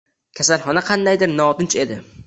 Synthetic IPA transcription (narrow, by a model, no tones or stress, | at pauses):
kʲʰasalˠχɒnaqʰɑnd̪ajd̪ɪɾnɒːt̪ɪnt͡ʃe̞d̪ɪ